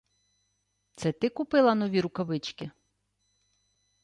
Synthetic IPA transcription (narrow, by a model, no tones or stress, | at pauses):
t̪sɛt̪ɪkʊpɪlˠɐnɔʋʲiɾʊkɐʋɪt͡ʃkʲɪ